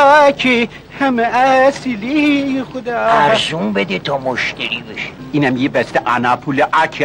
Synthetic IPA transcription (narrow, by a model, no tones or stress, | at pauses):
kʰi | hæmeæsilixod̪ɑːæɾzumbed̪et̪ʰɒːmoʃt̪æɾiːbeʃe̥ | iːnæmjebæst̪eʔænapʰuleʔækʰ